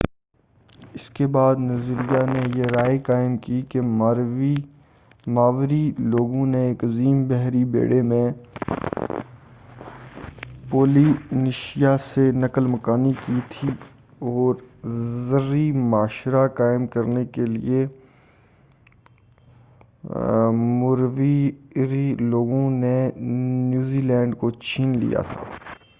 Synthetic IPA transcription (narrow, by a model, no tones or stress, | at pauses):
ɪskebaːd̪nɐzɾijanejeɾaːekaːɪmkikemaɾʋi | maːʋɾiloːɡõneːkɐziːmbɛɦɾibḛːɽemẽ | poːlinɪʃijasenɐkəlmɐkaːnikit̪ʰi | ɔːɾzəɾimaːʃɾakaːɪmkɐɾnekelḭe | mʊɾʋiɾiloːɡõnenjuːziːlɛ̃ːɳɖkot͡ʃʰiːnlḭja̰t̪ʰa̰ː